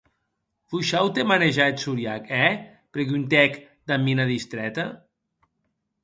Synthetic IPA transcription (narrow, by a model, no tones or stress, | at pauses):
fuʃawt̪emaneʒaet̪suɾjakɛ | pɾeɣunt̪ɛk | d̪amːinaðist̪ɾɛt̪a